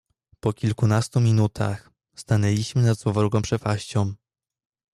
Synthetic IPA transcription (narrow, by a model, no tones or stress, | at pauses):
pɔkʲilkunast̪umʲinut̪ʰa̰x | st̪anɛlʲiɕmɘnad̪zwɔvɔɾuɡɔ̃mpʂɛpaɕt͡ɕɔ̃w̃